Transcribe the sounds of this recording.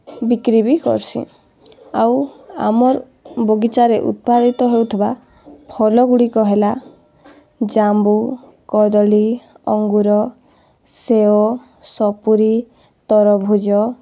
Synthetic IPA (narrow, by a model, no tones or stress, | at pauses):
bikɾibikɔ̰ɾsḭ̃ | a̰wa̰mɔɾ | boɡit͡ʃaɾeʔṵt̪̚pad̪it̪ɔɦewt̪ʰiba | pʰɔlɔɡuɽikɔɦela | d͡ʒambu | kɔd̪ɔli | ɔ̰ŋɡuɾɔ | seo | sɔpuɾi | t̪ɔɾɔbʱud͡ʒɔ